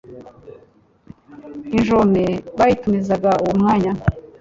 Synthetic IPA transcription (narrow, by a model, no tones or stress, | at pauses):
inʒomeβajitumezaɡauwumŋaːɲa